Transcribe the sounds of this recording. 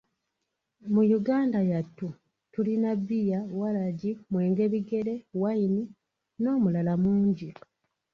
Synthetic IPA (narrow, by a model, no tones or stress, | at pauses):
mujuɡaːndajatːu | tulinabːijawalaɟimwe̞ːŋɡe̞βiɡe̞ɾe̞waini | no̞ːmulalamuːɲɟi